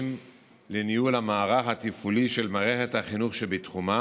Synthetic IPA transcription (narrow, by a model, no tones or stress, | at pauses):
m | lenijulamaːʁaχhat̪ifuliʃelmaːʁeχe̞thaχinuχʃebitχuma